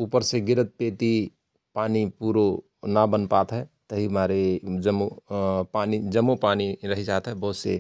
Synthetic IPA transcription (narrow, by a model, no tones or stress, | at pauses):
uːpəɾseɡɪɾət̪̚peːt̪i | paːnipuɾo | nabənpaːt̪ɦɛt̪əɦimaɾed͡ʒəmopaːnid͡ʒəmːopaːniɾəɦid͡ʒaːt̪ɦɛbɐɦʊt̪sḛ